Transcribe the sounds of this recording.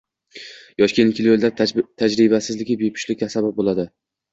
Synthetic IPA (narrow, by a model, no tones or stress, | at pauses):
jɒʃkʲenkʲʰɪljolˠd̪at̪ʰad͡ʒɾɪbasɪzlɪɡʲɪbepʰɪ̥ʃlɪasababolˠad̪ɪ